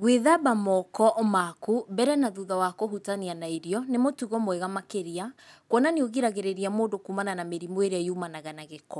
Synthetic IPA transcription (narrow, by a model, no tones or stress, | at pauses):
ɣweðabamɔkɔʔmakubɛɾɛnaðuðawakohutanianaiɾiɔnemotuɣɔmoɛɣamakeɾiakwɔnanioɣiɾaɣeɾeɾiamoːdokumananameɾimweɾeajumanaɣanaɣekɔ